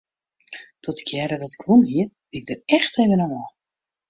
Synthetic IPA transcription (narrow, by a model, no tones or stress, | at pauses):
tʰɔtə̥kʰjɛɾədɔtɪ̥kʋunhiər | bɪɪɡ̚dərɛxtevənɔmɔ